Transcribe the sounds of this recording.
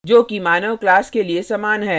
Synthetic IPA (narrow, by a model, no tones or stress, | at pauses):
d͡ʒoːkimaːnəʋklaːskeliesaːmaːnɦɛː